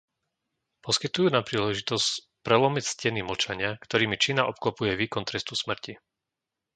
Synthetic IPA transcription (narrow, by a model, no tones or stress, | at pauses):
pɔskit̪ujuːnapɾiːlɛʒit̪ɔsc | pɾɛlɔmicscɛniml̩t͡ʃaɲɪakt̪ɔɾiːmit͡ʃinaʔɔp̚klɔpujɛʋiːkɔnt̪ɾɛst̪usmr̩ci